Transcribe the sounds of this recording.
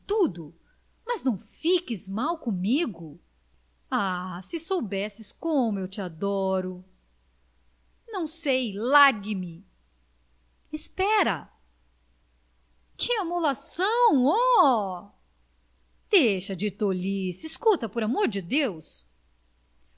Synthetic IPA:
t̪ud̪ʊ | mɐznɐ̃w̃fikɪzmawkõmiɡʊ | asɪsowbɛsɪskõmʊewt͡ʃɪad̪ɔɾʊ | nɐ̃w̃sejlaɡɪmɪ | ispɛɾɐ̰ | kɪamolasɐ̃w̃ɔ | d̪̥ejʃɐd͡ʒɪt̪olisiskut̪ɐpoɾamoɾd͡ʒɪd̪ews

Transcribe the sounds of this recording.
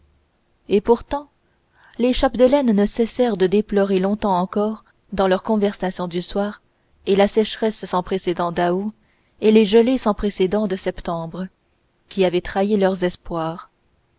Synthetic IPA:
epuʁt̪ɑ̃ | leʃapd̪əlɛnːəsɛsɛʁd̪əd̪eplɔʁelɔ̃t̪ɑ̃ɑ̃kɔʁ | d̪ɑ̃lœʁkɔ̃vɛʁsasjɔ̃d̪yswaːʁ | elasɛʃʁɛsːɑ̃pχesed̪ɑ̃d̪ao | eleʒəlesɑ̃pχesed̪ɑ̃d̪əsɛpt̪ɑ̃bʁə | kʲiavɛt̪χailœʁzɛspwaːʁ

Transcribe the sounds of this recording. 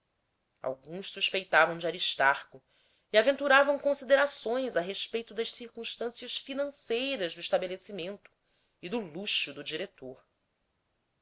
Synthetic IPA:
a̰wɡũʃsuʃpejt̪avɐ̃w̃d͡ʒɪaɾiʃt̪aɾkʊ | iavẽnt̪uɾavɐ̃w̃kõsid̪eɾasõj̃zaɦeʃpejt̪ʊd̪ɐʃsiɾkũʃt̪ɐ̃siɐʃfinɐ̃sejɾɐʒd̪ʊiʃt̪abelesimẽnt̪ʊ̥ | id̪ʊluʃud̪ʊd͡ʒiɾet̪oɾ

